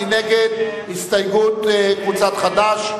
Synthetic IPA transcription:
ineɡed̪hist̪ajɡut̪kvut͡sat̪χad̪aʃ

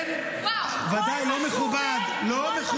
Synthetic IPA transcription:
vad̪ajlomeχubad̪ | lomeχu

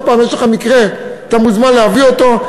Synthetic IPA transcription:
paːnoʃelχamikʁe̞ | t̪amuzmanleavio̞t̪o̞

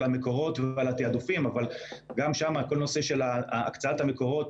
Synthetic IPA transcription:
lame̞ko̞ʁo̞tvealat̪iad̪ufimavalɡamʃamako̞lno̞se̞ʃe̞la̰ːkt͡saathame̞ko̞ʁo̞t̪

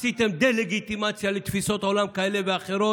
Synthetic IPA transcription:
sit̪ʰɛmd̪ɛlɛɡit̪ʼimat̪sʰialit̪ʰwisɔt̪ʼɔlamkʰaɛlɛbɛaχɛɾɔ

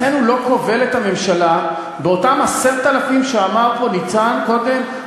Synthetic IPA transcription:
enulo̞ko̞ve̞lethame̞mʃala | beo̞tamaseʁt̪alafimʃeamaʁpo̞nit͡sanko̞d̪e̞m

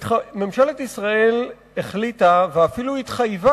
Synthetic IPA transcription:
me̞mʃaletisʁae̞l | eχlitaveafiluhitχajva

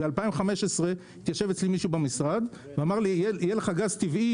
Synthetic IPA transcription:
bealpaimχameʃesʁe̞ | it̪jaʃe̞vet͡slimiʃubemisʁad̪ | veamaʁliejeleχaɡazt̪ivʔi

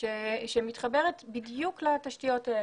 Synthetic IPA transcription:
eʃemitχabe̞ʁetbidjuklataʃtijo̞tae

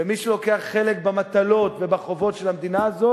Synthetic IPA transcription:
emiʃelo̞ke̞aχːe̞lekbamat̪alo̞tvebaχo̞vo̞tʃelamd̪inaːzo̞

